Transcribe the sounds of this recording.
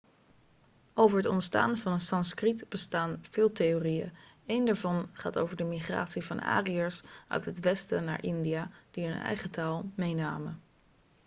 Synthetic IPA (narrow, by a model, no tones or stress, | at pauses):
owvəɹɦətɔ̰ntsta̰ːnvɑnənsɑnskritb̥əstaːnv̥ɪːlˠteorijə̰ | ejndaːɹvɑnχa̰ːto̰wvəɹdəmiχra̰ːtsivɑ̰na̰ːriəɹsʔœ̰ɥtɦətʋɛstəna̰ːɹʔɪndijad̥iɦɵnɛ̰jχətaːlˠmejnaːmə